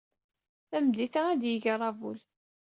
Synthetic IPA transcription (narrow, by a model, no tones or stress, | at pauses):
θæmd̪iθaæd̪jəʝɾˤɑvṵl